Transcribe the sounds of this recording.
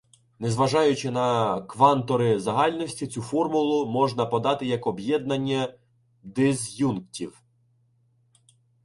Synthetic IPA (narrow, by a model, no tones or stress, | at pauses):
nezʋɐʒɑjʊt͡ʃɪnɐkʋɑnt̪ɔɾɪzɐɦɑlʲnɔsʲtʲit͡sʲufɔrmʊlˠʊmɔʒnɐpɔd̪ɑt̪ɪjɐkɔbjɛd̪̚nɐnʲːɐ | d̪ɪzjunktʲiw